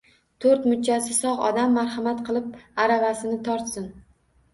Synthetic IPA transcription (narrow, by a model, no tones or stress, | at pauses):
t̪ʰoɾt̪mʊt͡ʃʰːasɪsɒʁɒ̰d̪amːaɾhamat̪qʰɨlˠɪp̚aɾavasɪnɪt̪ʰɒɾt̪sɪn